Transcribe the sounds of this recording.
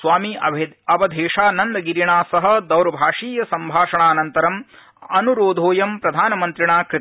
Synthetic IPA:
sʋaːmiɐʋɐd̪ʱeːʂaːnɐnd̪ɐɡiɾiɳaːsɐɦɐ̆d̪ɐwɾɐbʱaːʂiːjɐsɐmbʱaːʂɐɳaːɐnɐnt̪ɐɾɐm | ɐnuɾoːd̪ʱoːjɐmpɾɐd̪ʱaːnɐmɐnt̪ɾiɳaːkɾ

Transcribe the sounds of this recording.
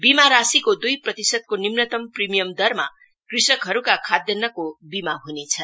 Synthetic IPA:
bimaɾasikod̪ujprʌt̪isʌd̪̚konimnʌt̪ʌmprimijʌmd̪ʌrma̰ | krisʌkɦʌɾukakʰad̪jʌnːʌkobimaɦunet͡sʰʌ

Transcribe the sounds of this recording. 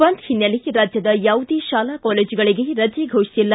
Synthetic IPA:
ʋɐnt̪hinjɐliɾaːd͡ʒjɐd̪ɐjaːwd̪iʃaːlakɔːleːd͡ʒuɡɐɭiɡe̞ɾɐd͡ʒiɡʱoːʂisilːɐ

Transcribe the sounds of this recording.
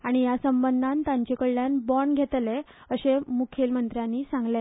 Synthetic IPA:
aɽ̃ijasəmbənd̪ʱant̪ãɲt͡ɕekəɭːjanbɔɳɡʱet̪le | əɕemukʰelmənt̪ɾjãnːiːsãŋɡle

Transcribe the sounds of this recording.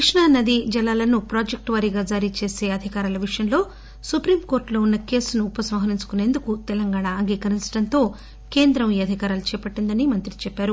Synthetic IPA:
iʂɳaːnɐd̪id͡ʒɐlːaːlɐnupɾaːd͡ʒek̚ʈʋaːɾiɡaːd͡ʒaːɾit͡ʃe̞ːse̞ːɐd̪ʱikaːɾɐlɐʋiʂɐjɐnlo̞ː | supɾiːmko̞ːɾʈlo̞ːunːɐke̞ːsnuːpɐsɐmɦɐɾiɲt͡ʃu̥kune̞ːnd̪ukut̪ɛlɐŋɡaːɳaːŋɡiːkɐɾint͡ʃɐ̥ɽɐnt̪o̞ː | ke̞ːnd̪ɾɐmiːɐd̪ʱikaːɾalut͡ʃɛːpɐʈːind̪ɐnimɐnt̪ɾit͡ʃɛpːaːɾu

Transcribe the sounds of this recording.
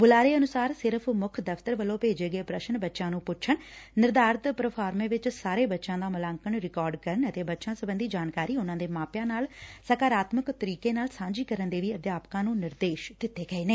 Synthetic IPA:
bʊlaːɾeːənʊsaːɾsɪɾəpʰmʊkʰd̪əft̪əɾʋəlːõːpeːd͡ʒeːɡəeːpɾəʃənbətːʃãːnũːpʊʃʰənːɪɾd̪aːɾt̪pɾəpʰaːɾmẽːʋɪt͡ʃsaːɾeːbətːʃãːd̪aːməlaːŋkəɳɾɪkɔːɾɖkəɾəɳət̪eːbətːʃãːsəbənd̪iːd͡ʒaːnkaːɾiːʊnãːd̪eːmaːpjãːnaːlsəkaːɾaːt̪məkt̪əɾiːkeːnaːlsãːd͡ʒiːkəɾənd̪eːʋiːəd̪jaːpkãːnũːnɪɾd̪eːʃd̪ɪt̪ːeːɡəeːneː

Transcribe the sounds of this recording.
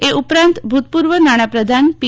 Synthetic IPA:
eʔupɾãnt̪bʱut̪̚puɾʋənaɽ̃apɾəd̪ʱanpi

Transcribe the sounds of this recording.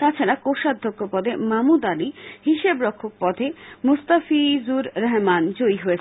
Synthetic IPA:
t̪at͡ɕʰaɾakoʃad̪ʱːokʰːopɔd̪emamud̪alihiʃebɾɔkʰːok̚pɔd̪ʱemust̪afizuɾɾɛɦmand͡ʑoiɦoet͡ɕʰ

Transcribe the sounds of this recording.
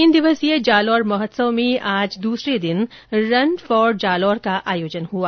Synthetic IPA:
ɪnd̪ɪʋəsijed͡ʒaːlɔːɾmɐɦət̪səʋmẽʔaːd͡ʒd̪uːsɾed̪ɪn | ɾɐɳɖfɔːɾd͡ʒaːlɔːɾkaʔʔaːjoːd͡ʒənɦuaː

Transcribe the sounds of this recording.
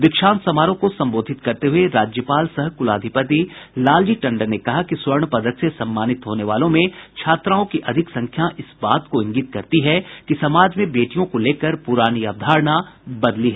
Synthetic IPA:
d̪ɪkʃaːnsɐmaːɾõkosɐ̃mboːd̪ʱɪt̪kɐɾt̪eɦueɾaːd͡ʒjəpaːlsɐɦkʊlaːd̪ʱɪpət̪ilaːld͡ʒiʈɐ̃ɳɖəɾnekɐɦakiswɐɾɳpɐd̪ʱək̪sesɐ̃mːaːnɪt̪ɦoːneʋaːlõmẽt͡ʃʰaːt̪ɾaːõkiʔɐd̪ʱɪksɐ̃ŋkʰjaʔɪsbaːt̪koɪ̃ŋɡiːt̪kɐɾt̪iɦɛkisɐmaːd͡ʒmẽbeːʈijõkoleːkəɾpʊɾaːniab̚d̪ʱaːɾɳabɐd̪liɦɛː

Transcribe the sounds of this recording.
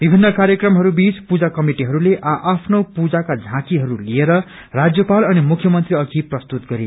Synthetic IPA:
b̥ibʱinːʌkaɾjʌkrʌmɦʌɾubit͡spud͡zakʌmiʈiɦʌɾuleʔaʔapʰnopud͡zakad͡zʱãkiɦʌɾulieɾʌ | rad͡zjʌpalʌnimukʰjʌmʌnt̪riʌkʰiprʌst̪ut̪̚ɡʌɾi

